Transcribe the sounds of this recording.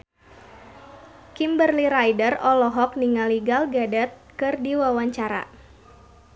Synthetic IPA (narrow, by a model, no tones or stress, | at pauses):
kimbərliɾajdərɔlɔɦɔk̚niŋaliɡalɡadɛt̪̚kɨrdiwawaɲt͡ʃaɾa̰